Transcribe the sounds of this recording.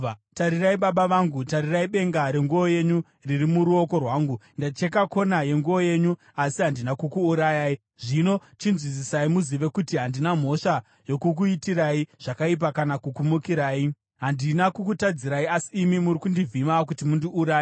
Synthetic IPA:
taɾiraiɓaɓaʋaŋɡutaɾiraiɓe̞ŋɡaɾe̞ŋɡuo̞je̞ɲu | riɾimuɾuo̞ko̞rwaːŋɡundat͡ʃekako̞naje̞ŋɡuoje̞ɲu | asiɦandinakukuːɾajaːi | ʐ̥ino̞t͡ʃinzwisisaimuziʋe̞kutiɦandinam̤o̞ʂa | jo̞kuk̬uitiraiʐ̥akaip̬akanakukumukiɾaːi | ɦandinakukutad͡ziɾaiasiːmimurikundivimak̬utimundiʔuɾaːi

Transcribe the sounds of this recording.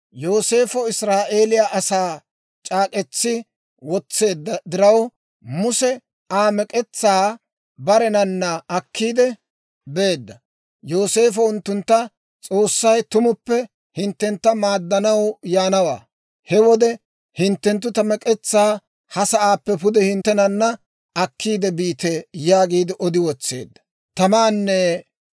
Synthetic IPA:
jo̞ːse̞ːfɔɪsɾaːʔeːlɪjaʔɐsaː | t͡ʃʼaːkʼɛt͡sːɪ | wɔt͡sːe̞ːd̪ːɐd̪ɪɾɐw | mʊsɛ | aːmɛkʼɛt͡sːaː | bɐɾɛnɐnːɐɐkʰːiːd̪ɛ | be̞ːd̪ːɐ | jo̞ːse̞ːfɔʊnt̪ːʊnt̪ːɐ | t͡sʼoːsːɐjt̪ʊmʊpːɛ | hɪnt̪ːɛnt̪ːɐmaːd̪ːɐnɐwjaːnɐwa̰ː | hɛwɔd̪ɛ | hɪnt̪ːɛnt̪ːʊt̪ɐmɛkʼɛt͡sːaː | hɐsɐʔaːpːɛpʊd̪ɛhɪnt̪ːɛnɐnːɐ | ɐkːiːd̪ɛbiːt̪ɛjaːɡiːd̪ɪʔɔd̪ɪwɔt͡sːe̞̰ːd̪ːɐ̥ | t̪ɐmaːnːɛ

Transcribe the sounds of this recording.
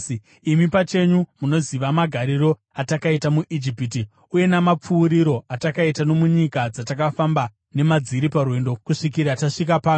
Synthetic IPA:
imipat͡ʃe̞ɲumuno̞ziʋamaɡʱaɾiɾo̞ | atakaitamuʔid͡ʒipit̬i | uje̞namap͡fuːɾiɾo̞atakaitano̞muɲikad͡zatakafamba | ne̞mad͡ziɾiparwe̞ndo̞kuʂikiɾataʂik̬apaːu

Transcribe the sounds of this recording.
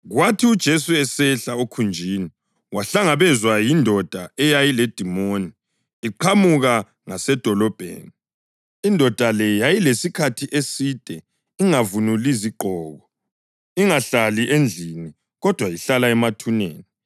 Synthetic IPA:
ɣwatʰiud̥ʒ̥ʱesuɛsɛɬaokʰund͡ʒʱiːni | waɬaŋaβɛzwajindʱɔd̥ʱaɛjajiled̥ʱimoːniː | ǃʰamuɣa | ŋasɛd̥ʱɔlɔb̥ʱḛːni | indʱɔd̥ʱalɛjajilesikʰatʰiʔesid̥ʱʼɛ | iŋavunuliziǃʱɔːɣɔ | iŋaɬaliʔend͡ɮʱini | ɣɔd̥ʱwajiɬalaɛmatʰunḛːni

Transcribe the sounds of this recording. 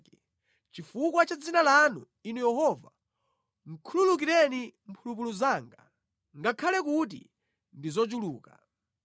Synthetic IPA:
t͡ʃifukwat͡ʃad͡zinalanṵ | inujɛɦɔva | ŋ̩kʰululukiɾɛnim̩pʰulup̬uluzaːŋɡa̰ | ŋɡakʰalɛkut̬ḭ | ndizɔt͡ʃuluːka̰

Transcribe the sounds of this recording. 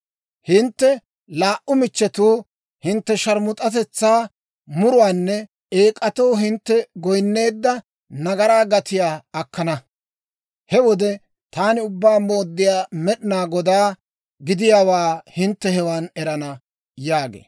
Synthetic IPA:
hɪnt̪ːɛ | laːʔʊmɪt͡ʃːɛt̪uː | hɪnt̪ːɛʃɐɾmʊt̪ʼɐt̪ɛt͡sːaː | mʊɾʊwaːnːɛ | eːkʼɐt̪ɔwɦɪnt̪ːɛɡɔjnːe̞ːd̪ːɐ | nɐɡɐɾaːɡɐt̪ɪjaːɐkːɐnɐ | hɛwɔd̪ɛ | t̪aːnɪʊbːaːmoːd̪ːɪjaːmɛɗɪnaːɡɔd̪aː | ɡɪd̪ɪjaːwaːhɪnt̪ːɛhɛwaːnɛɾɐnɐ | jaːɡḛː

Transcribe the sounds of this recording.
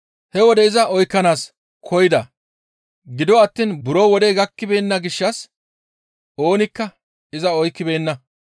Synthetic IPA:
hɛwɔd̪ɛɪzɐɔjkːɐnaːs | kʰɔjɪd̪ɐ | ɡɪd̪ɔɐt̪ːiːnbʊɾoːwɔd̪ɛɡɐkːɪbe̞ːnːɐɡɪʃːɐs | o̞ːnɪkːɐ | ɪzɐɔjkːɪbe̞ːnːɐ

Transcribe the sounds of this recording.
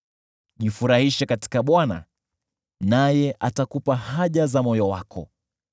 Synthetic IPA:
ʄifuɾahiʃakati̥kaɓwana̰ | najɛʔatakupahaʄazamɔjɔwakʰɔ̰

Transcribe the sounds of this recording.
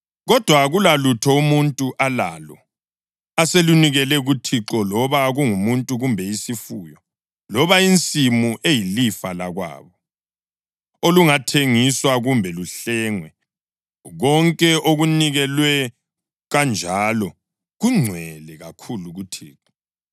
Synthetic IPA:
ɣɔd̥ʱwaɣulalutʰɔumuntʼuʔala̰lɔ | aseluniɣɛlɛɣutʰiǁɔlɔβaɣuŋumuntʼuɣumbʱɛisifuːjɔ | lɔβaint͡sʼimuʔejilifalaɣwa̰ːβɔ | oluŋatʰeŋiswaɣumbʱɛluɬɛŋwɛ | ɣɔŋkʼɛʔoɣuniɣɛlwɛ | ɣand͡ʒʱaːlɔ | ɣuŋ͡ǀʱwɛlɛɣakʰuluɣutʰḭːǁɔ

